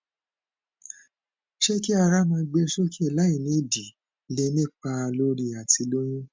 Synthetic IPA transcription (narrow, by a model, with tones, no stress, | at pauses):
ʃe˦ki˦a˧ɾa˦mã˧ɡ͡be˧˦ʃo˦ki˦i˦˧˨la˦i˨nĩ˨˦˨di˨ | le˦nĩ˦˨k͡pa˧lo˦ɾi˧a˨ti˧lo˦j̃ĩ˦